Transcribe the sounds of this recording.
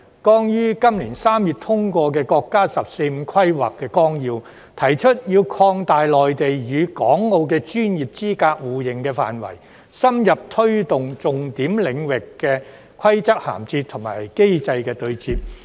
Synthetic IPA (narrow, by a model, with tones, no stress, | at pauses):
kɔː˥ŋjyː˥kɐ˥mliː˨˩nsaː˥mjyː˨t̚t̪ʰʊ˥ŋkʷɔː˧k̬ɛː˧kɔː˧kːaː˥sɐ˨p̚se˧jm̩˨˧kʰɐ˥jwa̰ː˨kːɛː˧kɔː˥ŋjiː˧w | t̪ʰɐ˨˩jt͡ʃʰɵ˥t̚jiː˧wkʰɔː˧ŋt̪aː˨jlɔː˨jt̪e˨jjyː˨˧kɔː˨˥ŋːo˧wk̬ɛː˧t͡ʃyː˥njiː˨˩p̚t͡siː˥kaː˧k̚wuː˨˩jɪ˨˩ŋkɛː˧fa̰ː˨nwɐ̰˨˩j | sɐ˥mjɐ˨p̚t̪ʰɵ˥ɥt̪ʊ˨ŋt͡sʊ˨˩ŋt̪iː˨˥mlɪ˨˧ŋwɪ˨kːɛː˧ | kʷʰwɐ˥jt͡sɐ˥k̚ha̰ː˨˩mt͡siː˧t̚t̪ʰʊ˨˩ŋma̰ː˨˩jke˥jt͡sɐ˧jkɛː˧t̪ɵ˧ɥt͡siː˧p̚